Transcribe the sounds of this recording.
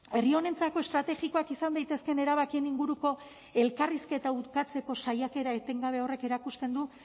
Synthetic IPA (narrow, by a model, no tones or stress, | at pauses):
e̞rio̞ne̞nt͡sako̞e̞st̪ɾat̪e̞ɣiko̞akisand̪ajt̪e̞ske̞ne̞ɾaβakieniŋɡuɾuko̞ | e̞lkariske̞t̪aut̪kat͡se̞ko̞sajake̞ɾae̞t̪e̞ŋɡaβ̞e̞o̞re̞ke̞ɾakust̪e̞nd̪u